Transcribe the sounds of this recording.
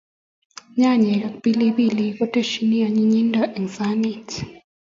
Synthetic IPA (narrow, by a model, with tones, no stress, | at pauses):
ɲa˦˨ɲɛ˨ka˨kpi˦li˦bi˦li˨kɔ˦tɛ˦ʃini˦ja˨ɲi˦ɲi˦ndaʔi˨nsa˦nit